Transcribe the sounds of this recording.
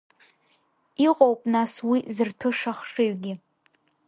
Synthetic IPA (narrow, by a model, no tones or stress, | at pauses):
iqʼowpʼnaswizɨrtʰɨʂaχʂɨɥɡʲɪ